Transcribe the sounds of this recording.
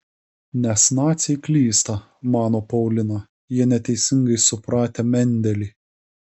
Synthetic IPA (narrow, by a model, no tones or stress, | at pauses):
nʲɛsnɑːt̪sʲɛklʲiːst̪ɐ | mɑːnoːpɐʊlʲɪnɑ | jiɛnʲɛt̪ʲɛɪsʲɪŋɡɐɪsʊpɾɑːt̪ʲemʲɛnʲd̪ʲɛlʲiː